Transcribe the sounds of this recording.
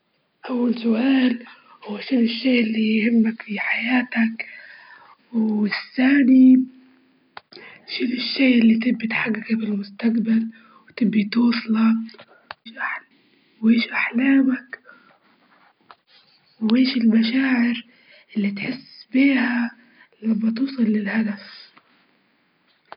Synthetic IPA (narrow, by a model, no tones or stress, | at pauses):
ʔawːalsʊʔaːl | hwwːaʃɪlːɪʃːeːʔɪlːijhɪmːakfiħajaːt̪ak | wɪθːaːni | ʃɪlːɪʃːeːʔɪlːit̪ɪbːit̪ħaɡːakafɪlmʊst̪aqbal | wt̪ɪbːit̪uːsˤlɑ | ʃʔaħ | weːʃʔaħlaːmak | wweːʃɪlmaʃaːʕɪɾ | ʔɪlːit̪ħɪsːbiːha | lamːat̪uːsˤɑlːɪlhad̪af